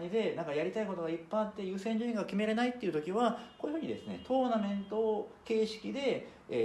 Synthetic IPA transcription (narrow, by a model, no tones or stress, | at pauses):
ɲid̪e̞nãŋkajaɾʲit̪aiko̞t̪o̞ɡaipːat̪ːe̞jɯ̟ːsẽ̞ɲ̟d͡ʑɨːĩŋɡakʲime̞ɾe̞nait̪ːeiɯ̟t̪o̞kʲiβako̞ːjɯ̟ɯ̟ːɲ̟id̪e̞̰sɨne̞̰t̪o̞ːnamẽ̞nt̪oke̞ːɕi̥kʲid̪e̞ː